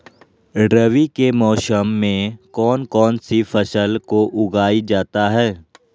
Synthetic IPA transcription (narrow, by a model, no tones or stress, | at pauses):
ɾɐʋikemɔːsəmːẽkɔːnkɔːnsifʰɐsəlkoʔʊɡaːid͡ʒaːt̪aɦɛː